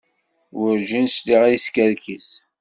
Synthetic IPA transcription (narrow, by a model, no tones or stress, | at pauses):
wʊɾʒinsliʁijskəɾkis